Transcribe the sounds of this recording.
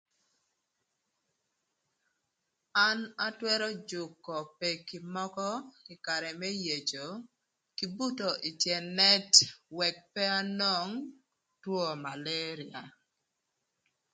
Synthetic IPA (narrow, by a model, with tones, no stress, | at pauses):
a˦na˦twɛ˦ɾɔ˦d͡ʒʊ˨kːɔ˨pɛ˨ki˨mɔ˦kɔ˦ɪ˨ka˨ɾɛ˨mɛ˦je˨d͡ʒo˨ | ki˨bu˦to˨ʔi˨tjɛ˨nɛ˦twɛ˨k̚pɛ˦a˦nɔ˦˨ŋ | twɔ˦ma˨le˦ɾi˨a˨